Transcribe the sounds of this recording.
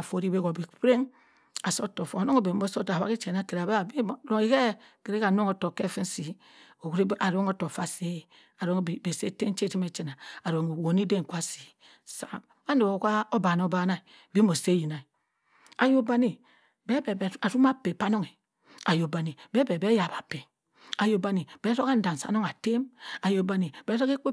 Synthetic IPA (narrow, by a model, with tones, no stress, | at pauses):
a˨fo˨ɾi˦be˦ɡo˨bi˨pɾe˦ŋ | a˨so˦to˨fo˨no˦ŋo˨be˨m˦bo˦so˦ta˨wa̰˦ki˦t͡ʃe˨na˦ke˨ɾa˨ba˦˨bi˦˨˦ɾo˦˨ŋe˦ke˦ | ke˨ɾe˦ka˨n˦o˦ŋo˨to˨kːe˦fi˦si˨ | o˨kɾi˦a˨ɾo˦ŋo˦to˨fa˦se˦ | a˨ɾo˦ŋ˦˨be˨se˦te˦n˦t͡ʃe˦ti˦me˨t͡ʃi˦na˨a˨ɾo˨ŋo˨wo˨ni˦de˦ŋ˨kʷa˦si̥˨ | sa̰˨˦m | a˦no˨o˨ka˦o˦ba˨no˦ba˦na˦i˨ | bi˦mo˨se˦ji˨na˨i˨ | a˨jo˦ba˦ni˨ | be˦be˨ba˨ɾu˦ma˦pe˨pa˦no˦ŋe˨ | a˨jo˨ba˨ni˨be˦be˨be˦ja˨ba˨pe˨ | a˨jo˨ba˦ni˨be˦ɾo˦ka˦n̩˦da˨n˨sa̰˨no˦ŋa˨te˦ma˨jo˨ba˦ni˨be˦ɾo˦ke˦k͡pe˦